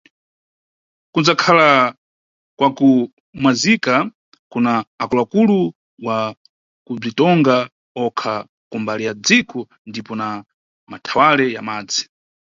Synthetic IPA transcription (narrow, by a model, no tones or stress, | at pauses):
kund͡zakʰala | kwaku | mwazika | kunaːkulakulu | wa | kub͡ʐitɔŋɡa | ɔkʰa | kumbalijad͡zikɔ | ndipɔna | matʰawalɛjamaːd͡zi̥